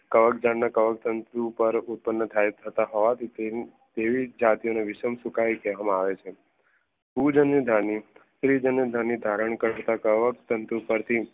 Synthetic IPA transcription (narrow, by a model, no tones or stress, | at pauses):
kəʋək̚d͡ʒannakəʋəkt̪ənt̪ɾupəɾut̪̚pənːət̪ʰajt̪ʰət̪aɦɔʋat̪ʰi | t̪eʋid͡ʒat̪ioneʋɪʃəmsukaikɛʋamãaʋet͡ʃʰe | pud͡ʒənːəd̪ʱaniʃɾid͡ʒənjəd̪ʱanid̪ʱaɾəɳ̃kəɾɾt̪akəʋəkt̪ənt̪ɾupəɾt̪ʰi